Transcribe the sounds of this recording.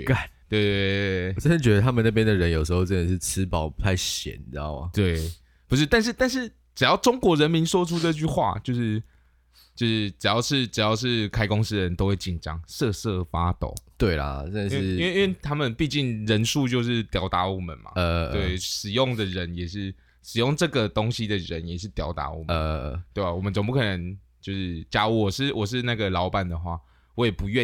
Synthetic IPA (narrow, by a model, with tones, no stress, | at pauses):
ka˨˩t̪we˥˧ɪte˥˧˩t͡sə˥nə˧˦nt͡ɕɥɛ˧d̪ə˧t̪ʰa˥mə˨na˥˩p̬jɛ˥nd̪ə˨ɻə˨˦njo˨˩ʊʂɻ̩˧˥xo˧ʊʈ͡ʂə˥nə˨˩ʂɻ̩˥˩t͡s̩ʰ˥pɑ˨˩ʊp̪ʰa˥˧ɪɕjɛ̰˨˦n˧˨˦o˥˩ma˨˩t̪we˥˩ɪ | pu˧˥ʂ̬ɻ̩˥˧t̪a˥˧nʂ̬ɻ̩˥˧t̪a˥˧nʂ̬ɻ̩˥˩ | ʈ͡ʂɻ̩˨˩jɑ˥˩ʊʈ͡ʂo˥ŋkwɔ˧˥ɻə˧˦nmi˧˦˥nswɔ˥ʈ͡ʂʰu˥ʈ͡ʂɤ˥˧t͡ɕy˥˧xwa̰˥˧˩t͡ɕjo˥˧ʊʂɻ̩˥˧ | t͡ɕjo˥˧ʊʂɻ̩˥˩ʈ͡ʂɻ̩˨˩jɑ˥˧ʊʂɻ̩˥˩ʈ͡ʂɻ̩˨˩jɑ˥˧ʊʂ̬ɻ̩˥˩kʰa˥ɪko˥ŋsɹ̩˥ɻə˧˦nt̪o˥ʊwe˥˩t͡ɕi˨˩nʈ͡ʂɑ˦ŋsɤ˥˧sɤ˥˩fa˥t̪o̰˨˩˦ʊt̪we˥˩ɪlɐ̰˩na˥˧˦we˥˧i˥we˥˩t̪ʰa˥mə˨npi˥˧t͡ɕi˥˩ŋɻə˧˥nʂu˥˧t͡ɕjo˥˧ʊʂɻ̩˥˩t̪jɑ˧˥ʊt̪a˧˥˦wɔ˨˩mə̰˨˩nma̰˨˧we˥˩ɪʂɻ̩˨˩jʊ˥˩ŋd̪ə˨ɻə˧˦njɛ˨˩ʂɻ̩˥˩ | ʂɻ̩˨˩jo˥˨˩ŋʈ͡ʂɤ˥˩ɡə˨t̪o˥ŋɕi˦d̪ə˨ɻə˧˦njɛ˨˩ʂ̬ɻ̩˥˩t̪jɑ˧˥ʊt̪a̰˧˥wɔ̰˨˩mə˨˧t̪we˥˩ɪa˨˩wɔ˨˩mə˦nʈ͡ʂo˨˩ŋp̬u˥˩kʰə˨˩nə˧˦ŋt͡ɕjo˥˧ʊʂɻ̩˥˩t͡ɕja˥˩wɔ˨˩ʂɻ̩˥˩wʔɔ˨˩ʂ̬ɻ̩˥˧na˥˩ɡə˩lɑ˧˥ʊpa˨˩nd̪ə˩xwa̰˥˩ | wɔ˧˥jɛ˨˩pu˧˥ɥɛ˥˨